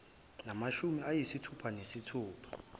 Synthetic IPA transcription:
namaʃumiajisitʰupʰanesitʰuːpʰḁ

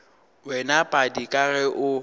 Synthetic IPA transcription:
wɛnapʼadikʼaɣɛʔʊ

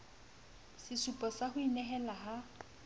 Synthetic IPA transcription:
sɪsupʼɔsahʊinɛɦɛlaɦa

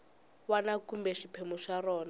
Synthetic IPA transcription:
wanakumbɛʃipʰemuʂarɔːna

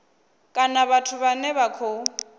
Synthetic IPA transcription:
kʼanaβatʰʊβanɛβakʰo

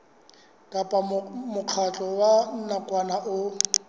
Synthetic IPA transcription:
kʼapʼamʊq͡χʰat͡ɬʼɔwan̩nakʼwanaʔʊ

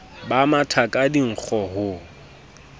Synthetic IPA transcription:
bamatʰakʼadiŋ̩k͡xʰɔɦʊ

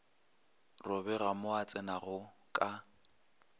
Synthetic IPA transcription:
rʊbɛɣamʊat͡sʼɛnaɣʊkʼa

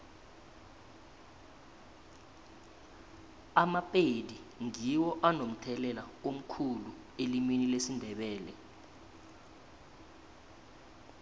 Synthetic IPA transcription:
amapʼediŋiwɔʔanom̩tʰɛlɛlaom̩kʰulu | elimwinilesindʱɛɓɛːlɛ

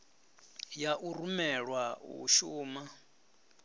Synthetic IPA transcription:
jaʔuɾumɛɺwaṵʃuːma

